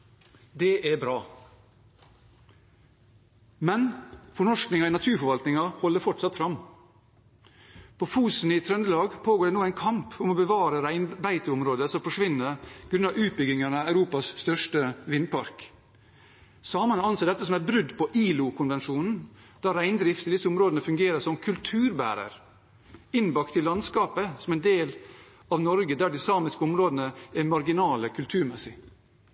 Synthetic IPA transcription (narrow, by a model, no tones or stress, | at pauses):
d̪ɛʔæbɾɑː | mɛnfɔɳɔʂknɪŋɑiɪnɑt̪ʰʉːɾfɔɾʋɑlt̪nɪŋɑhɔlːəɾfɔʈsɑt̪fɾɑm | pʰofuːsn̩ɪt̪ʰɾœnd̪əlɑːɡpʰoːɡoːɖeːnuːæɪnkʰɑmpʰʊmoːbəʋɑːɾəɾæɪnbæɪt̪əʊmɾoːd̪əsɔmfɔʂʋɪnːəɾɡ̥ɾʉnɑʉːt̪̚bʏɡɪŋɑnəæʉɾuːpɑsst̪œʂʈəʋɪnpʰɑɾk | sɑːmɑnəɑnseːɖ̪ɛt̪ːəsɔmæɾbɾʉd̪pɔʔiːlʊkʰʊnʋɛnʂuːnn̩ | d̪̥æɾæɪnd̪ɾɪft̪ɪd̪ɪsːəʊmɾoːd̪ənəfʉŋɡeːɾəsɔmkʰʉlt̪ʰʉːɾbæ̰ːɾə̰ɾ | ɪnːbɑkt̪ʰːɪlːɑnskɑːpəsɔmɛɪnd̪eːl | ɑʋnɔɾɡəd̪æɖɪsɑːmɪskəʊmɾoːd̪ənəæmɑɾɡɪnɑːləkʰʉlt̪ʰʉːɾmɛsɪ